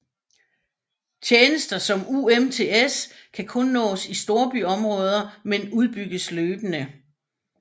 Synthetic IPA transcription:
t͡ɕʰjeːnəsd̥ɐsɒ̽muemt͡sʰe̝eskʰækʰɔ̽nːɔ̰̽ːsisd̥o̝ːɐb̥yɒ̽mʁɔ̽ːð̞ˠɐmenuð̞ˠb̥yɡ̥əsløːb̥ənə

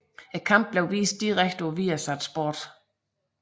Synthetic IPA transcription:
e̥kʰɑ̈m̰b̥̚b̥leʊʋḭːsd̥̚ːiʁaɡ̥̚d̥oʋiːæsæd̥sb̥o̰ːd̥

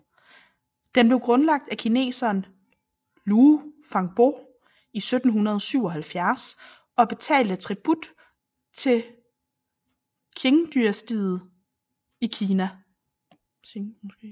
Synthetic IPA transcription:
d̥enb̥le̝ʊɡ̥ʁɔ̽nlɑ̈ɡ̥̚d̥ækʰine̝̰ːsɐːn | luːfɑ̈ŋb̥o̝̰ | isød̥n̩ɦunɐð̞ˠɒ̽syʊɒ̽ɦælfjæɐs | ɒ̽b̥e̝t͡sʰɛ̰ːld̥ət͡sʰʁib̥ud̥ | t͡sʰe̝ | kʰe̝ŋd̥yɐsd̥ið̩ˠ | ikʰiːnæ

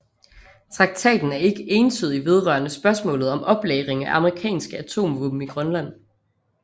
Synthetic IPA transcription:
t͡sʰʁɑ̈ɡ̥̚t͡sʰɛ̰ːd̥n̩æɐe̝ɡ̥əe̝ːnt͡sʰyðˠiʋe̝ð̞ˠʁɶ̰ːɐnəsb̥ɶɐsmɔ̰̽ːlð̞̩ˠɒ̽mʔɒ̽b̥leːʁeŋæʔɑ̈məʁikʰɛ̰ːnsɡ̥əæt͡sʰo̝̰ːmʋub̥m̩iɡ̥ʁɶnlæn̰

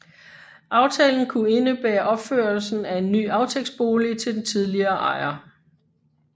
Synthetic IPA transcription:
ʔɑ̈ʊt͡sʰɛ̰ːln̩kʰue̝nəb̥æːɐʔɒ̽b̥føːɐlsn̩æe̝nːy̰ːɑ̈ʊt͡sʰeɡ̥sb̥o̝ːlit͡sʰe̝ld̥ent͡sʰiðˠliɐːʔɑ̰̈ɪɐ

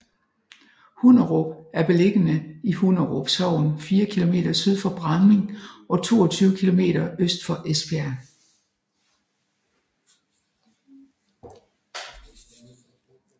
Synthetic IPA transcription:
hunɐʁob̥æɐb̥e̝le̝ɡ̥ənəihunɐʁob̥sɒʊ̰nfiːɐkʰilo̝me̝̰ːd̥ɐsyð̞̰ˠfɒ̽b̥ʁɑ̈nme̝ŋʔɒ̽t͡sʰo̝̰ːɒt͡sʰyːʊəkʰilo̝me̝̰ːɾ̥ɐøsd̥fɒ̽ʔespʰeæɐ

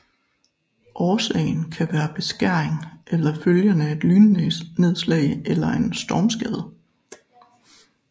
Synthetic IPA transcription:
ʔɒːsɛ̰ɪn̩kʰæʋæːɐb̥e̝sɡ̥æɐ̰eŋʔelɐføljənəæe̝d̥lyːnəne̝ð̞ˠslɛ̰ɪelɐe̝nsd̥ɒːmsɡ̥ɛːð̞ˠ

